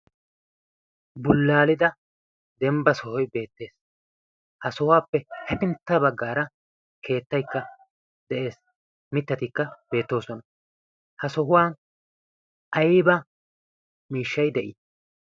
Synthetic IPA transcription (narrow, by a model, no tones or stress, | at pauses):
bʊlːaːlɪd̪ɐ | d̪ɛmbɐsɔhɔjbe̞ːt̪ːe̞ːs | hɐsɔhʊwaːpːɛhɛpɪnt̪ːɐbɐɡːaːɾɐ | kʰe̞ːt̪ːɐjkːɐ | d̪ɛʔe̞ːs | mɪt̪ːɐt̪ɪkːɐbe̞ːt̪ːo̞ːsɔnɐ | hɐsɔɦʊwaːn | ʔɐjbɐ | miːʃːɐjd̪ɛʔɪ